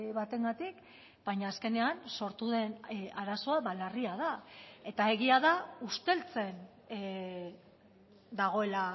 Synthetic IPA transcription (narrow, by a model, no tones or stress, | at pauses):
βat̪e̞ŋɡat̪ik | b̥ajɲaːske̞ne̞anso̞ɾt̪uðe̞naɾaso̞aβalariað̞ae̞t̪ae̞ɣiaðaust̪e̞lt͡se̞n | d̪aɣ̞o̞e̞la